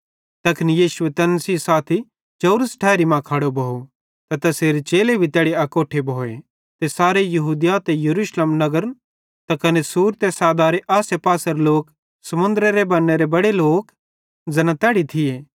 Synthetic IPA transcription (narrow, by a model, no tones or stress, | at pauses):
t̪ɐkʰɪnijiːsʊet̪ɐnsisaːt̪ʰi | d͡ʒɐːɾəsʈʰɛːɾimãkʰaɽobʱɐːo | t̪ɐt̪ɐseːɾit͡ʃeːlebʱit̪ɛːɽiɐkoːʈʰebʱoːe | t̪esaːɾejɐɦuːd̪jat̪ejɐɾuːʃlemnɐɡəɾ | t̪akɐnesuːɾt̪esaːd̪aːɾeʔaːsepaːsəɾloːk | sɐmʊ̃nd̪ɾeɾebɐnːeɾebɐɽeloːk | zɐnãt̪ɛːɽit̪ʰɪjeː